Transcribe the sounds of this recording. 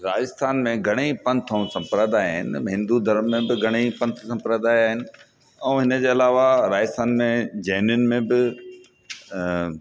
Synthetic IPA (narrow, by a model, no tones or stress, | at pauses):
ɾaːd͡ʑɪst̪ʰaːnmẽɡʱɐɽ̃eipɐ̃nt̪ʰə̃ũsɐ̃mpɾəd̪aːɦɪ̰nɪɦɪ̃nd̪ud̪ʱɐɾəmːẽbɪɡʱɐɽ̃eipɐ̃nt̪ʰsɐ̃mpɾəd̪aːjaːɦɪnɪ̆ | ɛ̃ːɦɪnə̆d͡ʑeːɐlaːʋaɾaːd͡ʑɪst̪aːnmẽd͡ʑɐːnjʊnɪ̆mẽbɪ